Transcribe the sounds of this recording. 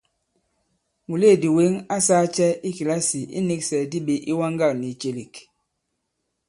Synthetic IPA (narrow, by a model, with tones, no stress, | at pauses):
mu˨le˦˨di˨we˦ŋa˦saː˦t͡ʃɛ˦i˦ki˨la˦si˨ʔḭ˦ni˦ksɛ˨di˦ɓe˨ʔi˦wa˦ŋɡa˦˨ni˨t͡ʃe˦li˨k